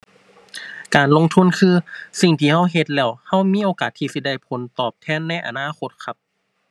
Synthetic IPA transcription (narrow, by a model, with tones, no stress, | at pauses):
kaː˨˩nlo˧ŋt̪ʰu˧˥˨nkʰɯː˧si˨˩ŋt̪ʰiː˧˩ha˧˥˩wɦe˧t̪̚lɛː˧˩wha˧˥˩wmiː˧˥˨ʔoː˨˧kaː˨˩t̪ʰːiː˧si˧˩da˧˩jpʰo˨˦nt̪ɔː˨˩p̚t̪ʰɛː˧˥˨nːa˧˥˨ʔa̰˧˩naː˧˥˨kʰo˧t̪̚kʰa˧p̚